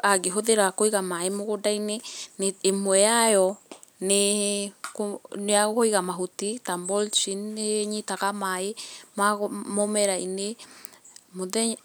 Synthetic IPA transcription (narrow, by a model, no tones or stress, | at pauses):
aɡeɦoðeɾakoiɣamaemoɣodaineneːmwɛajɔ | ne | koneaɣkoiɣamaɦutitambɔlt͡ʃinːeɲitaɣamaemamomɛɾaine | moðɛ